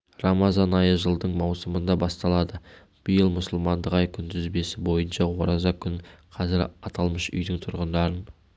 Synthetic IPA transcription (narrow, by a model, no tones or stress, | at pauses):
rɑmɑzɑnɑjəʒəlˠd̪əɴmɑwsəmənd̪ɑbɑst̪ɑlˠɑd̪ə | b̥ijəlˠmʊsəlˠmɑnd̪əqɑjkʲʰʏnd̪ɪzbe̞sɪbo̞jənʃɑwoɾɑzɑkʲʰʏŋqʰɑzɪɾɑt̪ʰɑlˠməʃʏ̰jd̪ɪŋt̪ʰʊɾʁənd̪ɑɾən